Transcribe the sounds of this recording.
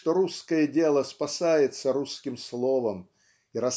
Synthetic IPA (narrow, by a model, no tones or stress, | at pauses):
t̪oɾuskəjədʲe̞lˠəspɐsajɪt̪səɾuskʲɪmslˠo̞vəm | iɾɐ